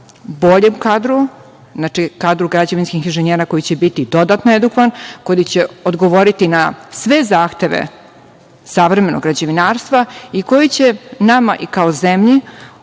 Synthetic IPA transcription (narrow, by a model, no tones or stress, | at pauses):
bo̞ʎemkaːd̪ɾu | znat͡ʃikaːd̪ɾuɡɾad͡ʑeʋinskixinʒeɲeːɾako̞jit͡ɕebit̪id̪o̞d̪at̪noed̪ukʋankod̪it͡ɕeod̪ɡo̞ʋo̞ɾit̪inasʋe̞zaːxt̪e̞ʋḛ | saʋɾeme̞noɡɾad͡ʑeʋinaːɾst̪ʋaiko̞jit͡ɕenamaʔikaozemʎi